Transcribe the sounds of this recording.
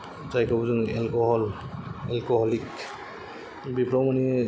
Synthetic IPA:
zajkʰɔbzɔnɛlkɔɦɔlɛlkɔɦɔlik | bipʰɹawmani

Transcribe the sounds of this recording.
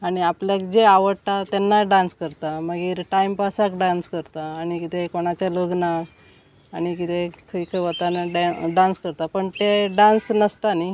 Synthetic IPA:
aɽ̃iapljakd͡ʑeaʋəɽt̪at̪anːaɖãnskəɾt̪aməɡiːɾʈaimpasakɖãnskəɾt̪aːɽ̃ikit̪ekoɽ̃at͡ɕjaloɡna | aɽ̃ikit̪ekʰəikʰəɦot̪anɖaɖãnskəɾt̪apəɳt̪eɖãnsnəst̪ani

